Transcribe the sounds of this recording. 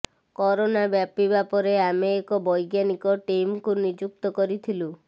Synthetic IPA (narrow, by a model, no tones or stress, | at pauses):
kɔɾonabjapibapɔɾeameːkɔbɔjɡjanikɔʈemkunid͡ʒuk̚t̪ɔkɔɾit̪ʰilu